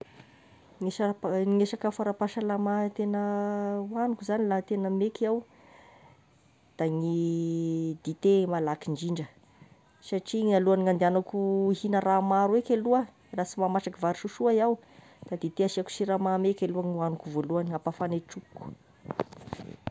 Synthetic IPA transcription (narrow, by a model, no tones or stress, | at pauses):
ŋeaŋeʃakəfaɾapaʃalamat̪enəwanukuzanilat̪enəmekiaw | d̪̥aŋi | d̪̥it̪emalakiɳd͡ʒiɳɖ͡ʐə | saʈ͡ʂiŋaluaniŋand̪eanakuhinəramaɾuwekʲeluə | rat͡simamaʈ͡ʂakivaɾiʃuʃuajaw | d̪̥ad̪it̪eaʃiaku̥ʃiɾamamekʲeluaŋiuanukuvoluaniapafaneʈ͡ʂupku̥